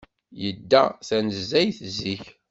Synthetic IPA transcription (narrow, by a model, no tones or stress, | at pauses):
jəd̪ːæθænəzːæjθzːiç